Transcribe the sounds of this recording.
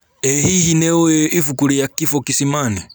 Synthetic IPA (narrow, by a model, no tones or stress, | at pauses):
ɛhihinɛɔɛifukuɾijakifɔkisimani